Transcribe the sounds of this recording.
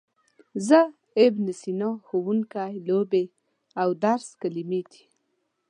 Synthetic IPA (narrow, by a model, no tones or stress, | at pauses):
zə | ebnɪsinɔxuwuŋkajlobe | awd̪aɾskalimed̪i̥